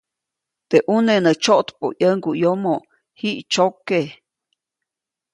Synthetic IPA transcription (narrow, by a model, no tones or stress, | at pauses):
t̪eʔunenət͡ʃoʔt̪po̰jəŋɡujomo | hiʔt͡ʃoke